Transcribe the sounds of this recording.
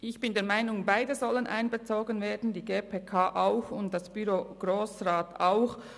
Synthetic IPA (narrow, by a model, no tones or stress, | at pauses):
ʔɪçb̥ɪndeːɐmaɪnʊŋbaɪdəzɔlənʔa̰ɪnbət͡soːɡənveːɐdn̩diːɡeːpʰeːkʰaːʔaʊxʊntd̥ɑsb̥yɾoːɡ̥ʁoːsʁaːtaʊx